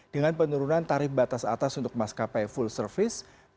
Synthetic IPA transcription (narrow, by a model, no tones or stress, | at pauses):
d̥əŋanpənuɾunant̪aɾɪfbat̪asa̰t̪asunt̪ʊk̚maskapajfulsərfɪs